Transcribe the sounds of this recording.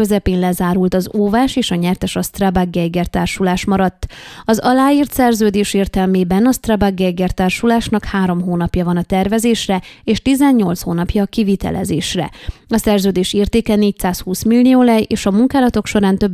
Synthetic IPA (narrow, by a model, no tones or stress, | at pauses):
øzɛpeːnlɛzaːɾult̪ɒzoːvaːʃeːʃɒɲɛrt̪ɛʃɒst̪rabaɡːɛjɡɛrt̪aːrʃulaːʃmɒɾɒt̪ːɒzɒlaːjiːrt̪sɛrzøːd̪eːʃeːrt̪ɛlmeːbɛnɒst̪rabaɡːɛjɡɛrt̪aːrʃulaːʃnɒkhaːɾo̞mɦoːnɒpjɒvɒnɒt̪ɛrvɛzeːʃrɛeːʃt̪izɛɲɲo̞lt̪shoːnɒpjɒkivit̪ɛ̰lʔɛ̰zḛːʃrɛ̰ɒsɛrzøːd̪eːʃeːrt̪eːkɛneːc̚tsaːshuːsmilːioːlɛjʔeːʃɒmuŋkaːlɒt̪o̞kʃo̞ɾaːnt̪ø̞b